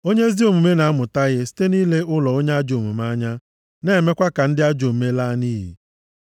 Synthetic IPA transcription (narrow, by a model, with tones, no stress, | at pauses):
o˦ɲe˦zi˦o˨mu˨me˦na˨a˦mʊ˨ta˦ɣɪ˦si̥˦te˦niː˦le˦ʊ˦lɔ˨o˦ɲe˦a˦d͡ʒo˨mṵ˨m˦a˦ɲa˦ | ne˦˨me˦kʷa˦ka˨n̩˦dɪ˦a˦d͡ʒo˨m̩˨me˦la˦niː˦ɦḭ˨